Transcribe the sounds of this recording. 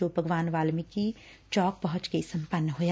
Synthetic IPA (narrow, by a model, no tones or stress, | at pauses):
obʱɐɡʋaːnʋaːlmiki | t͡ʃɔːk̚pɐɦʊ̃t͡ʃkesɐ̃mpənːɦoːja